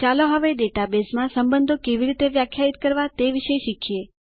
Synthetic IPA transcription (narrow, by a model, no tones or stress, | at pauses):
t͡ʃaloɦəʋeɖeʈabesmãsəmbənd̪ʱokeʋiɾit̪eʋjakʰjait̪kəɾʋat̪eʋiʃəʃikʰje